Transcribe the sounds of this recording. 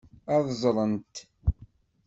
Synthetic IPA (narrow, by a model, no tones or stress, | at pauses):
ɑðˤzˤlˤənt̪